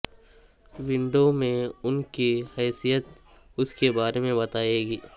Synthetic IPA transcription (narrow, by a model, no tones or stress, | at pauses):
ʋɪ̃ɳɖomẽʊnkihɛːsijət̪ | ʊskebaːɾemẽbɐt̪aːeːɡiː